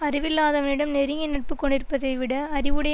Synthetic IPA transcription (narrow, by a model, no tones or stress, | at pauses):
ɐɾɪʋɪlːaːðɐʋɐnɪɽɐmnɛɾɪŋɐnɪʈ̚pɯkːɔɳɖɪɾɯpːɐðɐɪʋɪɽɐɐɾɪʋɯɽɐj